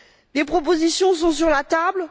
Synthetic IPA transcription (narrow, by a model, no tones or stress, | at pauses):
d̪epχɔp̬ozisjɔ̃s̬ɔ̃syʁlat̪abl